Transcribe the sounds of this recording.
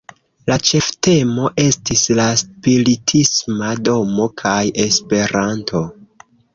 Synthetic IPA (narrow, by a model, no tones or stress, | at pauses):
lat͡ʃe̞fte̞mo̞ʔe̞stislaspiɾitʰismado̞mo̞kʰaje̞spe̞ɾantʰo̞